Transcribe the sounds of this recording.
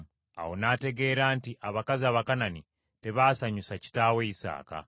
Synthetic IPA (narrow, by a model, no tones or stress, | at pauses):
a̰wo̞naːte̞ɡe̞ːɾaːntiʔaβakaziaβakanani | te̞βaːsaɲusaci̥taːweisa̰ːka̰